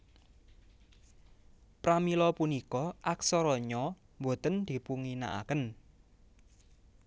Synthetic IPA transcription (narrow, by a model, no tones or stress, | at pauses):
pɾamilɔpunikɔʔaksɔɾɔɲɔ | mbo̤t̪ənd̪̥i̤puŋina̰ʔa̰kən